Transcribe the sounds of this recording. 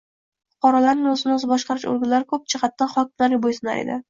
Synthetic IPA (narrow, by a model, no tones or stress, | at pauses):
fʊ̥qʰɒɾalaɾnɪŋɵzɪnɪɵzɪbɒʃqɑɾɪʃo̰ɾɡʲɪnlːaɾɪkʰɵp̚t͡ʃʰaχɑt̪ːanχɒk̚ʲɪmlaɾɪbojsɪna̰ɾḛd̪ɪ̰